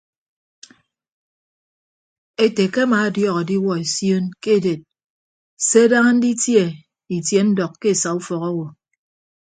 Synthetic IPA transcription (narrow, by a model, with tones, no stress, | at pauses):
e˨te˨ke˦a˦maː˨a˨djɔ˦ɣɔ˨di˦wɔ˦e˨sjo˦nke˦˨de˨t̚ | se˦a˦da˦ŋa˦n̩˦di˦tje˦ | i˨tje˨n̩˦dɔ˨kːe˦˨sa˨u˦fɔ˨ɣɔ˦wo˨